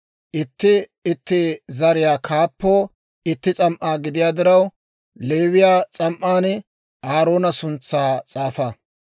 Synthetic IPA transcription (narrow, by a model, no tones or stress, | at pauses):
ʔɪt̪ːɪɪt̪ːɪzɐɾɪjaːkʰaːpːo̞ː | ɪt̪ːɪt͡sʼɐmʔaːɡɪd̪ɪjaːd̪ɪɾɐw | le̞ːwɪjaːt͡sʼɐmʔaːn | aːɾo̞ːnɐsʊnt͡sːaːt͡sʼaːfɐ